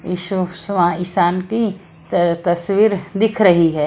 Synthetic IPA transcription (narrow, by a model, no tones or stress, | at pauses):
jiːʃusʋãɪsaːnki | t̪ɐsʋiːɾd̪ɪkʰɾɐɦiɦɛː